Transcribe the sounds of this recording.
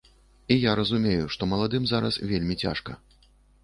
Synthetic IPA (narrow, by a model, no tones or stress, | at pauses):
ijaɾɐzumʲejuʂt̪ɔmɐlˠad̪ɨmzaɾɐ̰svʲelʲmʲit͡sʲa̰ʂkɐ̰